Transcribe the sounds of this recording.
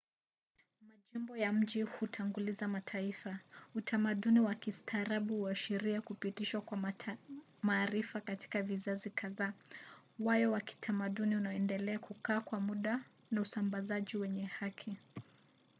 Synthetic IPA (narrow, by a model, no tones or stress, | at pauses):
maʄimbɔjam̩ʄihutʰaŋɡulizamatʰaifautʰamaɗuniwakistʰaɾaɓuhuaʃiɾiakupitiʃwakwa | maːɾifakati̥kavizazikʰaðaː | wajɔwaki̥tʰamaɗuniunaɔɛndɛlɛakukaːkwamuɗa | nausambazaʄiwɛɲɛhakʰi